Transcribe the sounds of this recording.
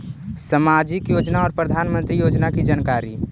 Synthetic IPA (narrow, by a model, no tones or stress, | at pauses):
səmad͡ʒikjod͡ʒnaɔːɾpɾəd̪ʱanmənt̪ɾijod͡ʒnakid͡ʒankaɾi